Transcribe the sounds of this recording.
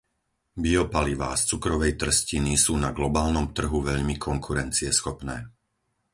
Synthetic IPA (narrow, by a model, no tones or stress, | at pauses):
biɔpaliʋa̰ːst͡sukɾɔʋɛjt̪r̩scinisuːnaɡlɔbaːlnɔmt̪r̩ɦuʋɛʎmikʰɔŋkʰuɾɛnt͡siɛsxɔpnɛː